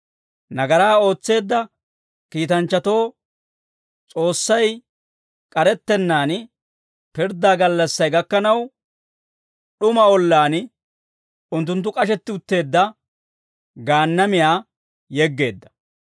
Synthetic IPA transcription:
nɐɡɐɾaːo̞ːt͡sːe̞ːd̪ːɐ | kiːt̪ɐnt͡ʃːɐt̪o̞ː | t͡sʼo̞ːsːɐj | kʼɐɾɛt̪ːɛnːaːn | pɪɾd̪aːɡɐlːɐsːɐjɡɐkːɐnɐw | ɗʊmɐɔlːaːn | ʊnt̪̬ːʊnt̪̬ːʊkʼɐʃ̬ɛt̪ːɪʊt̪ːe̞ːd̪ːɐ | ɡaːnːɐmɪjaː | jɛɡːe̞ːd̪ːɐ̥

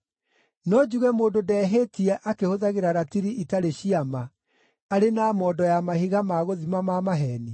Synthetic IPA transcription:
nɔd͡ʒuɣɛmoːndodɛɦetiɛʔakehoðaɣeɾaɾatiɾiʔitaɾeɕiama | aɾenaːmɔːdɔjamahiɣamaɣoðimamamaɦɛni

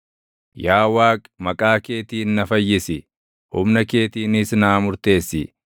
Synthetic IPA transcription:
jaːwaːkʼmɐkʼaːke̞ːt̪iːnːɐfɐjːɪsɪ | hʊmnɐke̞ːt̪iːnɪsnaːmʊɾt̪e̞ːsːɪ

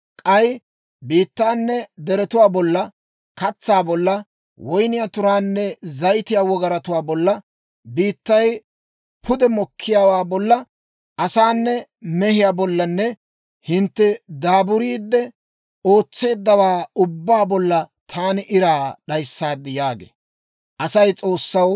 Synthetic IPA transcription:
kʼɐj | biːt̪ːaːnːɛd̪ɛɾɛt̪ʊwaːbɔlːɐ | kɐt͡sːaːbɔlːɐ | wɔjnɪjat̪ʊɾaːnːɛzɐjt̪ɪjaːwɔɡɐɾɐt̪ʊwaːbɔlːɐ | biːt̪ːɐj | pʰʊd̪ɛmɔkʰːɪjaːwaːbɔlːɐ | ʔɐsaːnːɛ | mɛhɪjaːbɔlːɐnːɛ | hɪnt̪ːɛd̪aːbʊɾiːd̪ːɛ | o̞ːt͡sːe̞ːd̪ːɐwaːʊbːaːbɔlːɐt̪ʰaːnɪʔɪɾaːɗɐjsːaːd̪ːɪjaːɡḛː | ʔɐsɐjt͡sʼo̞ːsːɐw

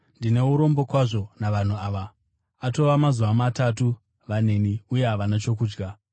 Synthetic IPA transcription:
ndine̞uɾo̞mbo̞kwaʐo̞naʋan̤uaʋa | ato̞ʋamazuʋamatatu | ʋane̞niuje̞ɦaʋanat͡ʃo̞kuːd͡ʒɡa

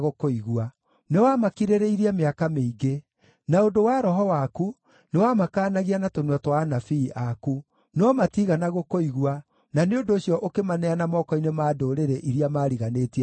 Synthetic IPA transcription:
ɣokoiɣua | newamakiɾeɾeiɾiameakameiɡe | naondowaɾɔɦɔwaku | newamakaːnaɣianatonwɛtwanafiːʔaku | nɔmatiɣanaɣokoiɣua | naneondoːɕjɔʔokemanɛanamɔkɔinemaːdoɾeɾeʔiɾjamaːɾiɣaneːtia

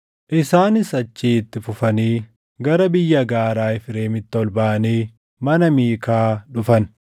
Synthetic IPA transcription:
ʔɪsaːnɪsɐt͡ʃːiːɪt̪ːɪfʊfɐniː | ɡɐɾɐbɪjːɐɡaːɾaːɪfɪɾeːmɪt̪ːɪɔlbaːʔɐniː | mɐnɐmiːkaːᶑʊfɐn

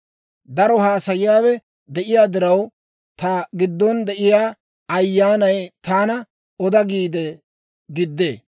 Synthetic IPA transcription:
d̪ɐɾɔɦaːsɐjɪjaːwɛ | d̪ɛʔɪjaːd̪ɪɾɐw | t̪ɐɡɪd̪ːɔnd̪ɛʔɪjaː | ɐjːaːnɐjt̪aːnɐ | ɔd̪ɐɡiːd̪ɛ | ɡɪd̪ːḛː

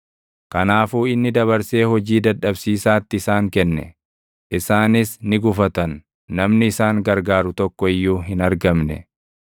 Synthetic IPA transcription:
kɐnaːfuːɪnːɪd̪ɐβɐɾse̞ːhɔd͡ʒiːd̪ɐᶑɐbsiːsaːt̪ːɪːsaːŋkɛnːɛ̰ | ʔɪsaːnɪsnɪɡʊfɐt̪ɐnː | ɐmnɪɪsaːŋɡɐɾɡaːɾʊt̪ɔkːɔɪjːuːɦɪnɐɾɡɐmnɛ̰

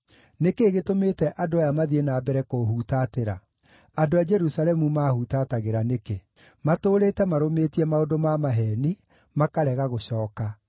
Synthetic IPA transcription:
nekeːɣetomeːtɛʔadoajamaðienaːbɛɾɛkoɦuːtateɾa | adoad͡ʒɛɾusalɛmumahutataɣeɾaneke | matoːɾeːtɛmaɾometiɛmaodomamaɦɛːni | makaɾɛɣaɣoɕɔːka

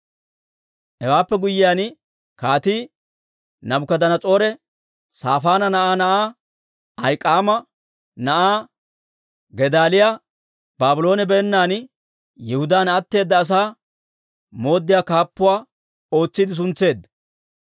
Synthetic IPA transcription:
ɛwaːpːɛɡʊjːɪjaːn | kaːt̪iː | nɐbʊkɐd̪ɐnɐt͡sʼo̞ːɾɛ | saːfaːnɐnɐʔaːnɐʔaː | ɐjkʼːaːmɐ | nɐʔaː | ɡɛd̪aːlɪja | baːbʊlo̞ːnɛbɛːnːaːn | jɛhʊd̪aːnɐt̪ːe̞ːd̪ːɐːs̬aː | mo̞ːd̪ːɪjaːkaːpːʊwaː | o̞ːt͡sːɪd̪ɪs̬ʊnt͡sːe̞ːd̪ːɐ

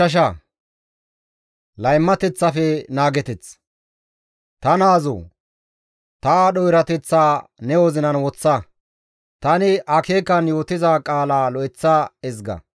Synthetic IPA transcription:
ɐʃ̬ɐ | lɐjmːɐt̪ɛt͡sːɐfɛnaːɡɛt̪ɛt͡s | t̪ɐnaːzo̰ː | t̪ɐɗɔjɾɐt̪ɛt͡sːaːnɛwɔzɪnɐnwɔt͡sːɐ | t̪ɐnɪʔɐkeːkːɐnjo̞ːt̪ɪzakʼaːlaːlɔʔɪt͡sːaɛzɡɐ̰

